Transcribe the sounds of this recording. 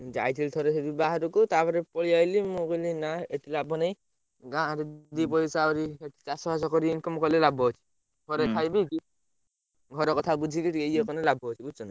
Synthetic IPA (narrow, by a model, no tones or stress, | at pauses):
d͡ʒa̰jtʰilt̪ʰɔɾɛtʰebibaɦaɾukɔt̪apaɾɛpɔɭijajlimukɔlinaetilabɔnaj | ɡãaɾɛd̪ip̬ɔjsaɔɾieti̥t͡ʃasɔɦas̬ɔkɔɾiinkɔmɔkɔlɛlabɔɔt͡ʃʰi̥ | ɡʱɔɾɛkʰajbiki | ɡʱɔɾɔkɔt̪ʰabud͡ʒʱikitiejɔkɔnɔlabʱɔɦɔt͡ʃʰibusɔna